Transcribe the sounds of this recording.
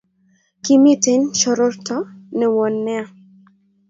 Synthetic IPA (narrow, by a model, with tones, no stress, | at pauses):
ki˦mi˦te˦nʃɔ˨ɾo˦rtɔ˦nɛ˨wɔ˨nːɛ˦a˨